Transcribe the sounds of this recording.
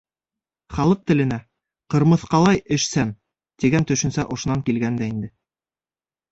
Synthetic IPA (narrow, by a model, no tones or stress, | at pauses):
χɑlˠɤq̚t̪ɘ̆lɘ̆næ | qɤ̆ɾmɤ̆θqɑlˠɑjɘ̆ʃsæn | t̪iɡænt̪ɵ̆ʃɵ̆nsæʔŏʃŏnɑŋkilɡænd̪æind̪ɘ